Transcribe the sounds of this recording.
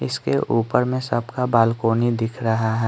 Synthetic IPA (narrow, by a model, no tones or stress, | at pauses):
ɪskeʔuːpəɾmẽsɐbkabaːlkoːnid̪ɪkʰɾɐɦaɦɛː